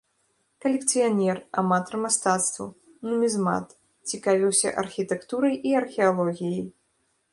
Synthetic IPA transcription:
kɐlʲɛk̚t̪sɨjanʲɛramat̪ɔrmast̪at̪st̪vṵ | numʲizma̰t̪ | t͡sʲikavʲiwsʲɐ̰ʔɐrxʲit̪ɛkt̪uɾɐjʔiɐrxʲɛalˠɔɣʲijɐj

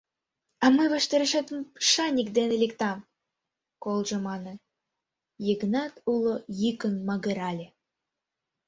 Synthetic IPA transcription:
ɑməβə̆ʃt̪ĕɾə̆ʃet̪ʃɑnʲik̚d̪enelʲekt̪ɑm | kolˠʒɤ̆mɑnɤ̆ | jəɣənɑt̪ulŏjikə̆nmɑɣə̆ɾɑlʲe

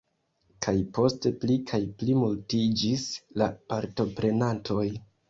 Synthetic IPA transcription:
kʰajpo̞ste̞plikʰajplimultid͡ʒislapaɾto̞pɾe̞nantʰo̞j

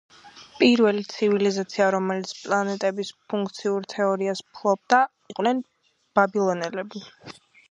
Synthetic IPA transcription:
pʼiɾvɛlit̪sʰivilizat̪sʰiaɾɔmɛlit̪sʰpʼlˠanɛt̪ʼɛbispʰuŋkʰt̪sʰiuɾt̪ʰɛɔɾiaspʰlˠɔb̚d̪a | iqʼnɛn | b̥abilˠɔnɛlɛbi

